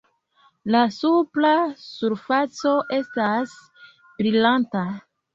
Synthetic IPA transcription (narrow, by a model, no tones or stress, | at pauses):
lasuplasuɾfat͡so̞ʔe̞stas | b̥ɾilanta